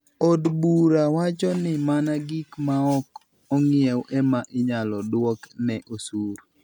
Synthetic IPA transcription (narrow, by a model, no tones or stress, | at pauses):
odbuɾawat͡ʃɔnɪmanaɡikmaɔk | ɔŋɪɛwʔɛmaʔɪɲalɔdwɔknɛʔosuɾ